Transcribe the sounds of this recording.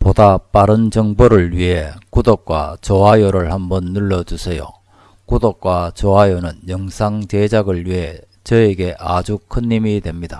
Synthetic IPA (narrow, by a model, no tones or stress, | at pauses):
podap͈aɾɯnd͡ʑʌŋboɾɯɭɥiɦe̞kudok̚k͈wa̰t͡ɕoajoɾɯɭhambʌnːuɭːʌd͡ʑusʰejo̰ | kudok̚k͈wat͡ɕoajonɯnjʌŋsʰaŋt͡ɕed͡ʑaɡɯɭɥiɦe̞ | t͡ɕʌeɡe̞ʔad͡ʑukʰɯnːimidwe̞mɲida